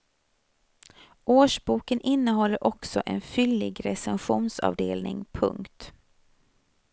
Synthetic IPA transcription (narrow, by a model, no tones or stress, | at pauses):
ʔoːʂbuːkənʔɪnːəɦɔlːəɾʔɔksɔʔɛ̰nfʏlːɪɡɾɛsɛnɧuːnsɑ̰ːvd̪eːlnɪŋpʰɵ̰ŋkt̪